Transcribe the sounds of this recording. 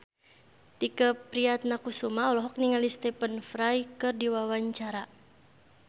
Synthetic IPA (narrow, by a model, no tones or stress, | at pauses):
t̪ikəpɾiat̪̚nakusumaɔlɔɦɔk̚niŋalist̪ɛpənfɾajkɨrdiwawaɲt͡ʃaɾa